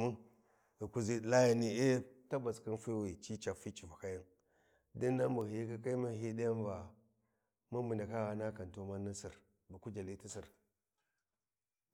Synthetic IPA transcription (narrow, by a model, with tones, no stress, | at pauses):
mu˦ | i˨ku˨zi˦dla˦ja˨ni˦e˦ta˦ba˨skə˦nfi˦wi˨t͡ʃi˦t͡ʃa˨fi˦t͡ʃi˨va˨ka˦ji˦n | di˦nː˦a˦mbu˨i˦ki˦ka˦mi˦ɦi˦da˦ja˦nva˨ | mu˦mə˨nda˨ka˦ɣa˨na˦ka˨n˨to˦ma˦ni˦si˨ɾ | ba˨ku˦d͡ʒa˨li˦ti˦si˨ɾ